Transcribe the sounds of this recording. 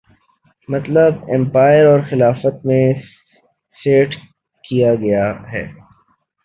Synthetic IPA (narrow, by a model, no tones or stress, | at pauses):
mɐt̪ləbɛ̃mpaːjəɾɔːɾxɪlaːfət̪̚mẽ | seːʈ | kijaɡɐjaɦɛ̰ː